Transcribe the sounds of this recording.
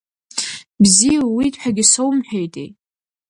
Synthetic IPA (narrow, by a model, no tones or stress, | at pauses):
bzijawitʼħʷᶣaɡʲisowmħᶣejtʼḛj